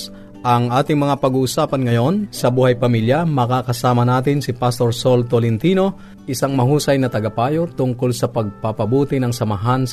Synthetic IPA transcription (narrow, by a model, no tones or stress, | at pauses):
ʔɐŋʔaːt̪ɪŋmɐŋapɐɡuːʔʊsaːpɐnŋɐjo̞nsɐbuːhɐjpɐmiljɐmɐkaːkɐsaːmɐnaːt̪ɪnsɪpast̪oɹsolt̪olɪnt̪iːno̞ | ʔɪsaŋmɐhuːsɐjnɐt̪ɐɡɐpaːjot̪ʊŋkʊlsɐpɐɡ̚pɐpɐbuːt̪ɪnɐŋsɐmɐɦans